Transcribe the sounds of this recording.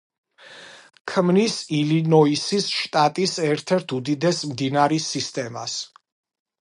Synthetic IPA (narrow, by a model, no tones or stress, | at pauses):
kʰmnisilinɔisisʃt̪ʼat̪ʼisɛɾt̪ʰɛɾt̪ʰud̪id̪ɛsmd̪inaɾisist̪ʼɛmas